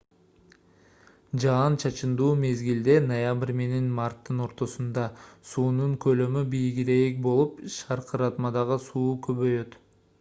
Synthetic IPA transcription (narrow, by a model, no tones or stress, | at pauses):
d͡ʒɑːnt͡ʃʰɑt͡ʃɯnd̪uːme̞zɡild̪e̞nojabɪɾʲme̞ne̞nmɑrt̪ːɯno̞ɾt̪o̞sund̪ɑsuːnuŋkʰø̞lø̞mybijɡiɾe̞k̚bo̞lˠupʃɑɾqɯɾɑt̪mɑd̪ɑʁɯsuːkʰø̞βø̞jø̞t̪